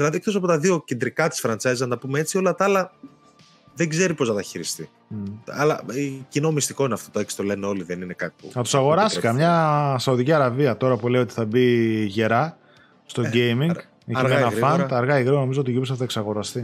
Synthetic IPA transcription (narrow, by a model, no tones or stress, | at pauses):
ðilɐðikθosɐpo̞t̪ɐðio̞cend̪ɾikɐt̪i̥sfɾɐnt͡sɐjzezɐnɐpumee̞t͡sio̞lɐt̪ɐɐlɐ | ðeɡze̞ɾipo̞znɐt̪ɐçiɾist̪i | ɐ̰lɐ̰cino̞mist̪iko̞ineɐft̪ot̪oeksi̥t̪o̞le̞neo̞liðeninekɐt̪pṵnɐt̪u̥sɐɣo̞ɾɐstikɐmɲɐsɐuðiciɐɾɐviɐt̪o̞ɾɐpule̞iot̪i̥θɐbiʝe̞ɾɐ | st̪o̞ɟejmiŋɡ | emenɐfɐnt̪ɐɾɣɐiɣɾiono̞mizoot̪iʝupsɐθɐeksɐɣo̞ɾɐst̪i